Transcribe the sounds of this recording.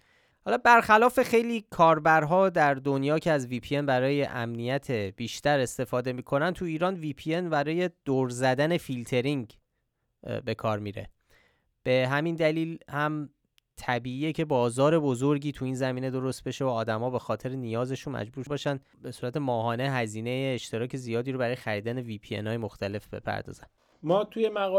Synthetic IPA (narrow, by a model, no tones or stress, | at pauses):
hɒlɒbæɾxælɒːfe̞xe̞jliːkʰɒːɾbæɾɦɒːd̪æɾd̪onjɒːcʰe̞æzvipʰienbæɾɒːje̞̰ʔæ̰mnijæt̪ʰe̞b̥iːʃt̪æɾe̞st̪e̞fɒːd̪e̞miːkʰo̞nænt̪ʰuiːɾɒːnviːpʰie̞nbæɾɒːje̞d̪̥oɾzæd̪æne̞filt̪ʰe̞ɾiŋɟ | be̞kʰɒːɾmiːɾe̞̰ | b̥e̞ɦæmind̪æliːlhæm | t̪ʰæbiːʔiːecʰebɒːzɒːɾe̞bo̞zoɾɟiːt̪ʰuiːnzæmiːne̞d̪o̞ɾo̞st̪̚be̞ʃe̞oɒːd̪æmɒːbe̞xɒːt̪ʰe̞ɾenijɒːze̞ʃunmæ̰d͡ʒbuːɾbɒːʃæn | be̞suːɾæt̪ʰe̞mɒːɦɒːne̞ɦæziːne̞jeːʃt̪e̞ɾɒːcʰe̞zijɒːd̪iːɾobæɾɒːjeæɾiːd̪æne̞vipʰiḛnɒːjemoxt̪ʰæle̞fbe̞̰pʰæ̰ɾd̪ɒ̰ːzæ̰n | mɒːt̪ʰujemæɣɒ